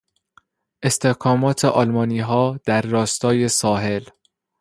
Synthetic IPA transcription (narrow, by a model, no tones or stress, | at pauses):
ʔe̞st̪ʰe̞hkʰɒːmɒːt̪ʰeʔɒːlmɒːniːɦɒːd̪̥æɾːɒːst̪ɒːje̞sɒːɦe̞l